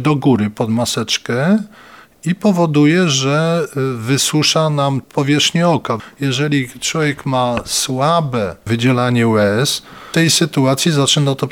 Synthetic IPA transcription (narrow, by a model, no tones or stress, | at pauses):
d̪ɔɡuɾɘpɔd̪masɛt͡ʂkɛ | ipɔvɔd̪ujɛʐɛvɘswuʂanampʰɔvʲjɛʂxɲɛɔkajɛʐɛlʲit͡ʂwɔvʲjɛkmaswabɛvɘd͡ʑɛlaɲɛwɛst̪ɛjsɘt̪uat̪sʲjizat͡ʂɘnat̪ɔ